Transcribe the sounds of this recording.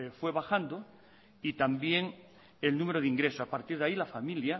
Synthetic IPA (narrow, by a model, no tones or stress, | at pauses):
fwe̞βaxand̪o | it̪ambje̞ŋ | elnũmeɾoð̞iŋɡɾe̞sosapaɾt̪iɾðailafamilja